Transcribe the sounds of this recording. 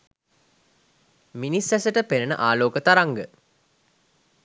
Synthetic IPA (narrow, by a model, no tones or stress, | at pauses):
minisæsəʈəpenənə̰ʔaːloːkət̪aɾaŋɡə